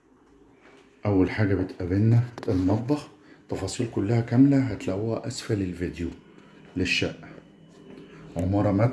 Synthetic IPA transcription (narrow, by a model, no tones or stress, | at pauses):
ʔæwːælħaːɡæbet̪ʔæbenːæt̪ʔælmɑt̪ˤbɑħ | t̪ːɑfɑːsˤiːlkʊlːæhækæmlæɦæt̪læwːæʔæsfælelved̪ju | leʃːæ̰ʔ | ʕomɑɾˤɑmæ